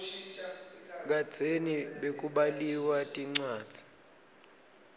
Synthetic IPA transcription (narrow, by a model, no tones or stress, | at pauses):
k̬ad̥ʱeniɓekʼuɓaliwatʼiŋ͡ǀaːd̥z̥ʱi̥